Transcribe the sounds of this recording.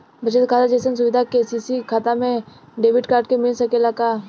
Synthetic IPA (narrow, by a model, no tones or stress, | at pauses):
bʱət͡ʃət̪kʰaːt̪ad͡ʒesəns̬ʊʋɪd̪ʱakesisikʰaːt̪amẽ | ɖeːbɪʈkaːɾɖ̚kemɪlsɐkelakaː